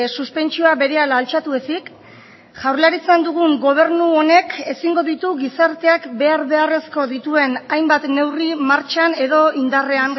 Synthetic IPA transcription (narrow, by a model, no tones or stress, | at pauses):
suspe̞nt͡ʃioaβe̞ɾe̞alaːlt͡ʃat̪ue̞sik | ʝawɾlaɾit͡sand̪uɣ̞uŋɡo̞β̞e̞ɾnuone̞kʰe̞siŋɡo̞ðit̪uɣisaɾt̪e̞akbe̞aɾβe̞are̞sko̞ðit̪ue̞najmbat̪ne̞wrimaɾt͡ʃane̞ðo̞ʔind̪are̞aŋ